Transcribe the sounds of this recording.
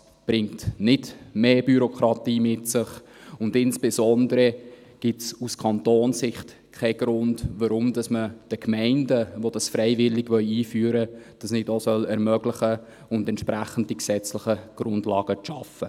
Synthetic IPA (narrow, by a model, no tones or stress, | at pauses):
b̥ɾɪŋtnɪdmeːbyɾokʰɾɑtiːmɪtsɪχ | ʊndɪnsb̥ɪsɔndəɾə | ɡ̥ɪtsuskʰɑntoːnsɪχt | kʰɛɡ̥ɾʊndʋɑɾʊmd̥ɑsməd̥əkʰmɛɪndəʋod̥ɑsfɾɛɪvɪlɪɡʋœɥiːfyːəɾəd̥ɑsnɪdosœlɛɾmœɡ̥lɪχə | ʊndɛnt͡ʃʃpɾæχən̩d̥̚iksɛt͡slɪχəɡ̥ɾʊndlɑːɡ̥əʃɑfə